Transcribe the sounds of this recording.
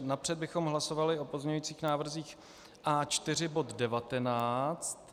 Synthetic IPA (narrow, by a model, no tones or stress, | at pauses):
napr̥ɛd̪̚bɪxo̞mɦlaso̞valɪo̞pozmɲɛɲujːt͡siːxnaːvr̩ziːx | ʔaːt͡ʃt̪ɪr̝ɪbo̞t̪dɛvat̪ɛnaːt͡st̪